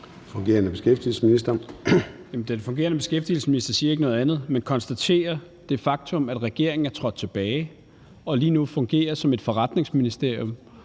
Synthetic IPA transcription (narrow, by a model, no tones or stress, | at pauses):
fɔŋɡe̝̰ːɐnəb̥e̝sɡ̥efd̥il̩səminisd̥ɐ | jæmn̩d̥enfɔ̽ŋɡ̥e̝̰ːɐnəb̥e̝sɡ̥efd̥il̩səminisd̥ɐsiːɐe̝ɡ̥nɔ̽ːð̩ˠænð̩ˠmenkʰɒ̽nsd̥æt͡sʰe̝̰ːɐ | d̥e̝fɑ̈ɡ̥̚t͡sʰɔ̽mæd̥ʁɛɡ̥e̝ɐ̰eŋn̩æɐt͡sʰʁɒ̽d̥̚t͡sʰe̝b̥ɛːɪ | ɒ̽liːnufɔ̽ŋɡ̥e̝̰ːɐsɒ̽me̝d̥fɒ̽ʁɑ̈d̥ne̝ŋsminisd̥e̝ɐ̰jɔm